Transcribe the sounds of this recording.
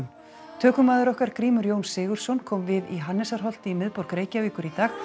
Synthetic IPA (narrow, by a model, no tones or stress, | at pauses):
m | t̪ʰœːkʏmaːðɪɾɔhkaɾ̥kɾiːmʏɾjoːwnsɪːɣʏɾ̥sɔnkʰɔːmvɪðḭɦanːɛsaɾ̥ɦɔl̥t̪ɪimɪðpowɾkɾeːjcaviːkʏɾit̪aːx